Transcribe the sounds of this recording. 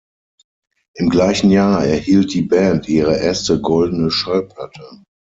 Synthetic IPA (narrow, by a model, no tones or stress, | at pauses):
ʔɪmɡlaɪçn̩jaːɐɛɐhiːlt̚d̥iːbɛntʔiːʁəʔɛɐstəɡɔldn̩əʃalpʰlatʰə